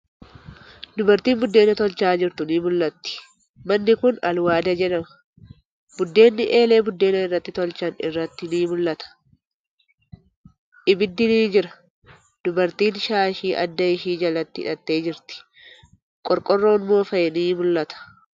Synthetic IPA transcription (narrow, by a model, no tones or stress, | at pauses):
d̪ʊbɐɾt̪iːnbʊd̪ːe̞ːnːɐt̪ɔlt͡ʃaːd͡ʒɪɾt̪ʊniːmʊlːɐt̪ːɪ̥ | mɐnːɪkʊnɐ̰lwaːd̪ɐd͡ʒɛᶑɐmɐ | bʊd̪ːe̞ːnːɪʔeːle̞ːbʊd̪ːe̞ːnɐɪrːɐt̪ːɪt̪ɔlt͡ʃɐnɪ̰rːɐt̪ːɪniːmʊlːɐt̪ɐ̥ | ʔɪbɪd̪ːɪniːd͡ʒɪɾɐ̥ | d̪̥ʊbɐɾt̪iːnʃaːɪʃiːʔɐ̰d̪ːɐɪʃiːd͡ʒɐlɐt̪ːɪɪᶑɐt̪ːe̞ːd͡ʒɪɾt̪ɪ̥ | kʼɔɾkʼɔrːo̞ːnmo̞ːfɐjɛniːmʊlːɐt̪ɐ̥